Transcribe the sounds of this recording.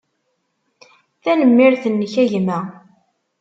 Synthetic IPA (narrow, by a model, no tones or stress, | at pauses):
θænəmːɪɾθənːəçæʝmæ